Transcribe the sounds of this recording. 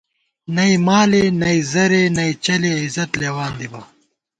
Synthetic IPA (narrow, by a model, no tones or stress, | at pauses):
nɐimaːlenɐizɐɾenɐit͡ɕɐleizɐt̪leːwaːnd̪ibɐ